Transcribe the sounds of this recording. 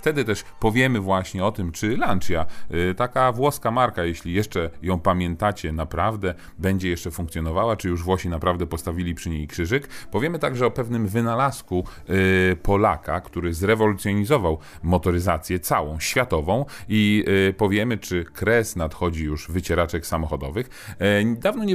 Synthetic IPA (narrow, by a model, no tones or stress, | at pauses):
ft̪ɛd̪ɘt̪ɛʂpɔvʲjɛmɘvwaɕɲɛɔt̪ɘmt͡ʂɘlant͡ʂjat̪akavwɔskamaɾkajeɕlʲijɛʂt͡ʂɛjɔ̃w̃pamʲjɛnt̪at͡ɕɛnapɾavd̪ɛ | bɛɲd͡ʑɛjɛʂt͡ʂɛfuŋkt̪sʲjɔnɔvawat͡ʂɘjuʐvwɔɕinapɾavd̪ɛpɔst̪avʲilʲipʂɘɲejkʂɘʐɘkpɔvʲjɛmɘt̪aɡʐɛɔpɛvnɘmvɘnalasku | pʰɔla̰ka̰kt̪uɾɘzɾɛvɔlut̪sʲjɔɲizɔvaw | mɔt̪ɔɾɘzat̪sʲjɛt̪sawɔ̃w̃ɕfʲjat̪ɔvɔ̃w̃ipɔvʲjɛmɘt͡ʂɘkɾɛsnat̪xɔd͡ʑijuʐvɘt͡ɕɛɾat͡ʂɛksamɔxɔd̪ɔvɘx | d̪avnɔɲɛ